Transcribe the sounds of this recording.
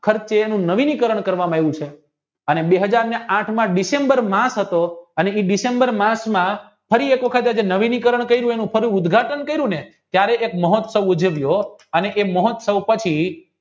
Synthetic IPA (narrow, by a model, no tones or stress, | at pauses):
kʰəɾt͡ʃeːnũnəʋinikəɾəɳ̃kəɾʋamãeʋũt͡ʃʰe | ənebeɦəd͡ʒaɾneãʈʰmãɖisembəɾmãsɦət̪oəneiɖisembəɾmãsmã | pʰəɾiekʋəkʰət̪ad͡ʒenəʋinikəɾəɳkəiɾũenũpʰəɾiʊd̪ɡʱaʈənkəiɾũnet̪jaɾeʔek̚məɦɔt̪səʋud͡ʒʱəʋjoəneʔeməɦɔt̪səʋpət͡ʃʰi